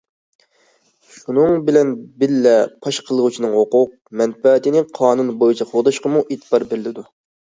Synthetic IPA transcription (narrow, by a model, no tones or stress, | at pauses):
ʃunɨŋbɪlɛnbɪlːɛpʰɑʃqʰəlˠəʁʊt͡ʃʰinɨŋwoqʊq̚mɛnfɛt̪ɪnɪqʰɑːnunbojit͡ʃʰɛχod̪ɑʃqəmuʔet̪ʰbɑɾbɪɾlɪd̪u